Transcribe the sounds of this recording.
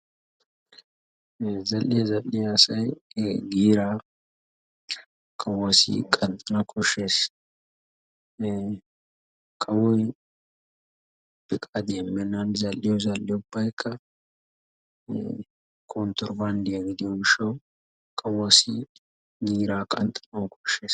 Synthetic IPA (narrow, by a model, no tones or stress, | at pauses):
zɐlːɪjɛzɐlːɪjɐsɐjɡiːɾaː | kʼɐwːɐsḭkʼɐnt̪ʼɐnɐkʰʼɔʃeːs | kʼɐwɔj | b̥ɪkʼad̪ɛmːɛnːɐnzɐlːɪjɔzɐlːɪjʊb̥ːɐjkʰːɐ | kʰont̪ɔɾband̪ɪjɐɡɪd̪ɪjɔɡɪʃːɐw | kʼɐwːɐsi | ɡiːɾaːkʼɐnt̪ʼɐ̥nɐkʰɔʃeːs